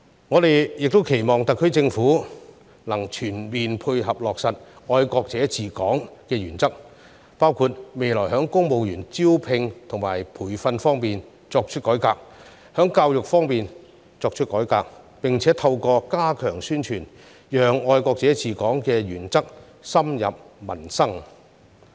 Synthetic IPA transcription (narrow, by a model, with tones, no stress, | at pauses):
ŋɔː˨˧d̪e˨jjɪ˨k̚t̪o˥wkʰe˨˩jmɔː˨˩ŋt̪ɐ˨kʰːt͡sɪ˧ŋfuː˨˥ | lɐ˨˩ŋt͡ʃʰyː˨˩nmiː˨npʰu˧jɦɐ˨p̚lɔː˨ksɐ˨t̚ɔː˧jkɔː˧k̚t͡sɛː˨˥t͡sʰiː˨kɔː˨˥ŋkɛː˧jyː˨˩nt͡sɐ˥k̚ | paː˥wkʰuː˧t̚me˨jlɔː˨˩jɦœː˨˥ŋkʊ˥ŋmo˨˧wjyː˨˩nt͡siː˥wpʰɪ˧ŋt̪ʰʊ˨˩ŋma̰ː˨˩jpʰuː˨˩jfɐ˧nfɔː˥ŋmiː˨n | t͡sɔː˧k̚t͡ʃʰɵ˥kɔː˨˥jkaː˧k̚ | hœː˨˥ŋkaː˧wjʊ˨k̚fɔː˥ŋmiː˨n | t͡sɔː˧k̚t͡ʃʰɵ˥t̚kɔː˨˥jkaː˧k̚ | pɪ˨ŋt͡sʰɛː˨˥t̪ʰɐ˧wkɔː˧kaː˥kʰœː˨˩ŋsyː˥nt͡ʃʰyː˨˩n | jœː˨ŋɔː˧jkɔː˧k̚t͡sɛː˨˥t͡sʰiː˨˩kɔː˨˥ŋkɛː˧jyː˨˩nt͡sɐ˥k̚ | sɐ˥mjɐ̰˨p̚mɐ˨˩nsɐ˥ŋ